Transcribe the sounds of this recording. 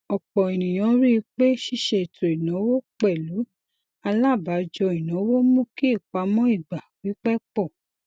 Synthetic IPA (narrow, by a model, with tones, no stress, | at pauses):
ɔ˨k͡pɔ˨e˨nĩ˨j̃ã˨˧˦ɾi˦i˧k͡pe˦ʃi˦˨ʃe˧˨to˨i˨nã˨˦wo˦k͡pɛ˦˨lu˨˦ | a˧la˦˨ba˨˦d͡ʒɔ˧i˨nã˨˦wo˦mũ˦ki˦i˦˨k͡pa˧mɔ̃˦i˦˨ɡ͡ba˨wi˨˦k͡pɛ˦k͡pɔ˦˨